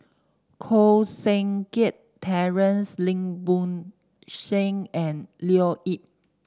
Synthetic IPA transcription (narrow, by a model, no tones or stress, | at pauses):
kʰosɛ̃ŋket | tʰːɛɹə̃nslĩŋbũn | ʃẽŋɛ̃nlioʔip̚